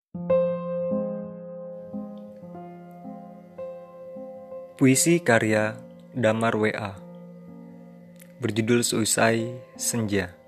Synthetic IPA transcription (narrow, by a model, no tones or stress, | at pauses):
puisikaɾia | damarweʔa | bərd͡ʒudʊlsəusaisəɲd͡ʒa